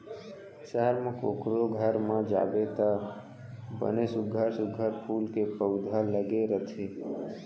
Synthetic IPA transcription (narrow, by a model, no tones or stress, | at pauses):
səɦəɾmãkokɾoɡʱəɾmãd͡ʒa̰ʋet̪a | bə̰nesʊɡʱəɾsʊɡʱəɾpʰulkepəwd̪ʱaləɡeɾət̪ʰe